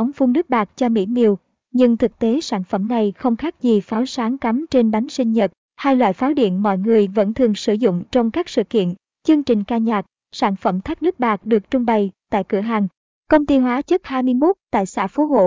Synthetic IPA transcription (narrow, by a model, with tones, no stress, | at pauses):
a˨˦wŋ͡mfu˧ŋ͡mɗɨ˦˥k̚ɓaː˨˩k̚t͡ɕɔ˧mḭ˧˥mi˨˩əw | ɲɨ˧ŋt̪ʰɨ˨˩k̚t̪e˨˦saː˧˩nfə˧˩mna˨˩jxə˧wŋ͡mxaː˦˥k̚zi˨˩faː˨˦wsaː˨˦ŋka˨˦mt͡ɕe˧nɓa˨˦jŋsï˧ŋ̟ɲə˨˩t̚ | haː˧jlwa̰ː˧˨jfaː˨˦wɗḭ˧˨ənmɔ̰˧˨jŋɨ˨˩əjvə̰˧˥nt̪ʰɨ˨˩əŋsɨ˧˩zʊ̰˧˨ŋ͡mt͡ɕɔ˧wŋ͡mkaː˦˥k̚sɨ̰˧˨kḭ˧˨ən | t͡ɕɨ˧əŋt͡ɕï˨˩ŋ̟kaː˧ɲaː˨˩k̚ | saː˧˩nfə˧˩mt̪ʰa˦˥k̚ɗɨ˦˥k̚ɓaː˨˩k̚ɗɨ˨˩ək̚t͡ɕʊ˧ŋ͡mɓa˨˩jt̪a̰ː˧˨jkɨ̰˧˩əɦa˨˩ŋ | kə˧wŋ͡mt̪i˧hɦwaː˨˦t͡ɕə˦˥k̚haː˧jmɨ˧əjmo˦˥t̚t̪a̰ː˧˨jsa̰ː˧˥fo˨˦ho̰˧˨